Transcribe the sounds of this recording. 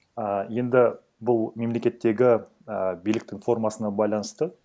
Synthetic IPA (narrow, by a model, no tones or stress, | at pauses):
əje̞nd̪ɪ | bʊlˠme̞mle̞kʲe̞t̪ːe̞ɡʲɪ | əbijlɪkt̪ɪŋfo̞rmɑsənɑbɑjlˠɑnəst̪ə